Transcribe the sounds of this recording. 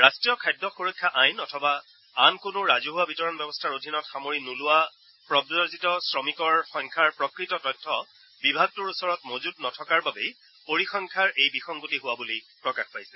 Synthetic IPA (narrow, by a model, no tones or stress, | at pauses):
ɹastɹijɔkʰajdːɔxuɹɔkʰːaʔajnɔtʰɔba | ankʊnʊɹazuɦʊwabitɔɹɔnbɛbɔstʰaɹodʱinɔtxamoɹinulʊwa | pɹɔbzɔzitɔsɹɔmikɔɹxɔŋkʰaɹpɹɔkɹitɔtɔjtʰːɔ | bibʱaɡ̚tʊɹusɔɹɔtmozudnɔtʰɔkaɹbabɛj | poɹixɔŋkʰaɹejbixɔŋɡutiɦʊwabulipɹɔkaxpajsɛ